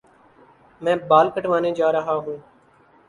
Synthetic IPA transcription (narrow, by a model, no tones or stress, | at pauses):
mɛ̃ːɓaːlkəʈʋaːnẽːd͡ʒaːɾəɦaːɦũː